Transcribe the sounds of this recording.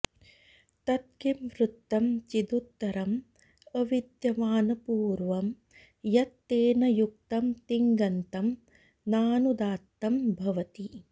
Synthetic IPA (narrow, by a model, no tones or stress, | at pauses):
t̪ɐt̪̚kimʋɾut̪ːɐmt͡ʃid̪ut̪ːɐɾɐm | ɐʋid̪jɐʋaːnɐpuːɾʋɐm | jɐt̪ːeːnɐjuk̚t̪ɐmt̪iŋɡɐnt̪ɐm | naːnud̪aːt̪ːɐmbʱɐʋɐt̪i